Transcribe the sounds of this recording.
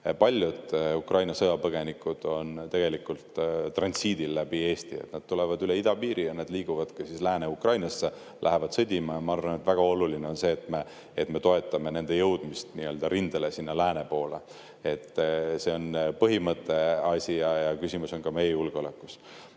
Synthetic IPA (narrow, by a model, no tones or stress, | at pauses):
pɑlʲjud̪̥ukrɑjnɑsɤjɑpɤɡ̥e̞nikud̪̥o̞nt̪e̞ɡ̥e̞likːˑult̪t̪ːrɑnsiːd̪ilːæb̥ie̞ːst̪iḛt̪nɑd̪̥̚t̪ulevɑd̪yleid̪̥ɑpiːɾʔijɑned̪liːɡ̥uvɑd̪̥kɑsislæːne̞ukrɑjnɑsːe | lʔæ̰ɦe̞vɑd̪̥sɤd̪ʲimɑjɑmɑɑrvɑnet̪væɡ̥ɑo̞lulineo̞nse̞ːt̪me | et̪ːme̞t̪o̞e̞t̪ːˑɑme̞ne̞nd̪e̞jɤwd̪̥mist̪niø̞ːld̪̥ɑɾʔind̪̥elesinːɑlæːne̞po̞ːle | e̞t̪ːˑse̞o̞npɤɦimɤt̪ːˑe̞ɑsʲijɑjɑkysʲimuso̞nkɑme̞jejulɡeo̞lekːˑu̥s